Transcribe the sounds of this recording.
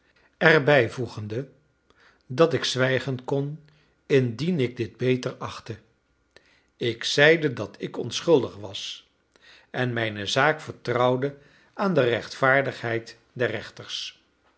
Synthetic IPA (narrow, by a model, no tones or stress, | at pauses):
ɛɹbɛjvuχəndə | dɑtɪksʋɛjχənkɔn | ɪndinɪɡ̚dɪd̚bejtərɑχtə | ɪksɛjdədɑtʰɪkɔ̰nsχɵlˠdəχʋɑs | ɛnmɛjnəzaːkfəɹtrɑwdə | aːndərɛχtfaːɹdəχɦɛjt | dɛɹːɛχtəɹs